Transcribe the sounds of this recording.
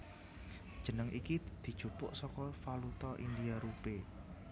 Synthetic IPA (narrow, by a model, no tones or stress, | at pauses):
d̥ʒ̥ə̤nəŋʔikid̪̥i̤d̥ʒ̥ṳpʊʔsɔkɔfalut̪ɔʔḭndiaɾupe